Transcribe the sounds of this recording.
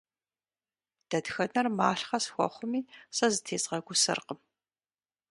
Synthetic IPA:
d̥ɐdxɐnɐrmaːɬχɐsxʷɔ̰χʷʊmiːsɐzɨtʰeːzʼʁɐɡʷʊsɨ̰rqəm

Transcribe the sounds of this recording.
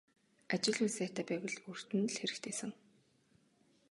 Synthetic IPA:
at͡ɕɪ̆ɮuːsæːt̪ʰæːpæːwɘ̆ɮur̥t̪ɘ̆nɮxeɾɘ̆xt̪ʰeːsɘ̆ŋ

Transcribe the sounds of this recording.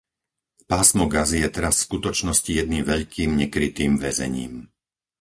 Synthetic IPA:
paːsmɔɡazijɛt̪ɛɾasːkut̪ɔt͡ʃnɔscijɛd̪niːmʋɛʎkʰiːmɲɛkɾit̪iːmʋɛzɛ̰ɲḭːm

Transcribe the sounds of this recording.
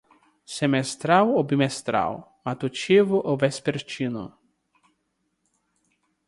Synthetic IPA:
semest̪ɾawobimest̪ɾa̰wmat̪ut͡ʃevʊʔovespeɾt͡ʃinʊ̰

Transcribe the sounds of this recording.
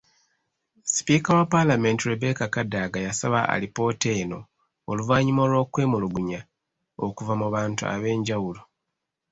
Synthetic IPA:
si̥piːkawapalame̞ntiɾebe̞kakadaːɡajasaβaa̰lipo̞te̞ːno̞ | oluvaːɲimo̞lwo̞ːkwe̞ːmuluɡuɲa | okuvamuβaːntṵa̰βe̞ːɲɟawulo

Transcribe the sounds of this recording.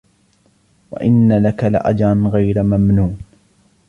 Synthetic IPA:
wa̰ʔɪnːalakalɪ̰ʔa̰d͡ʒɾˤɑnɣajɾmamnuːn

